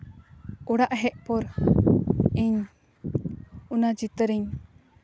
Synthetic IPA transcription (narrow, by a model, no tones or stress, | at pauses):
uɽaʔɦɛʔpɔɾ | iɲ | unad͡ʒit̪əɾiɲ